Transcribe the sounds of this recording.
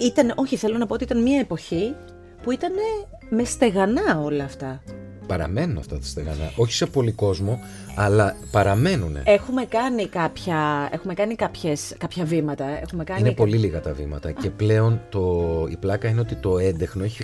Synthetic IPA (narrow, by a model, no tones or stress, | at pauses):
it̪ɐno̞çiθe̞lo̞nɐpoo̞t̪iit̪ɐnmiɐepo̞çi | puit̪ɐne̞ | mest̪e̞ɣɐnɐo̞lɐːft̪ɐ | pɐɾɐ̰me̞nunɐ̰ft̪ɐt̪ɐ̥st̪e̞ɣɐ̰nɐ̰ʔo̞çi̥se̞po̞liko̞zmo̞ | ɐlɐpɐɾɐme̞nunḛe̞xume̞kɐnikɐpçɐe̞xume̞kɐnikɐpçeskɐpçɐvimɐt̪ɐe̞̰xume̞kɐinepoliliɣɐt̪ɐvḭmɐ̰t̪ɐce̞ple̞o̞nt̪oḭplɐkɐineo̞t̪it̪o̞e̞nd̪exno̞eçi